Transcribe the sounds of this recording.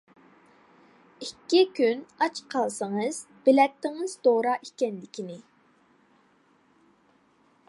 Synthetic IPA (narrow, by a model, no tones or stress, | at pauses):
ikʲːikʲʰynɑt͡ʃqʰɑlˠsəŋɨz̥ | b̥ɪlɛk̚t̪ʰːɪŋɨz̥d̪oɾɑʔikʲɛnlɪkʲʰinɪ